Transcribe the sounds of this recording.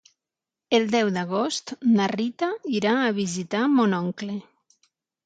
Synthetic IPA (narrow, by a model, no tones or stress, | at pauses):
elˠd̪ɛwd̪aɣost̪narit̪aiɾaːβizit̪amonɔŋkle